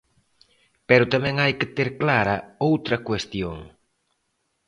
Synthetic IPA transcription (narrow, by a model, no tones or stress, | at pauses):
pɛɾʊt̪amɛ̃ŋajkɪt̪eɾklaɾɐowt̪ɾɐkwest̪joŋ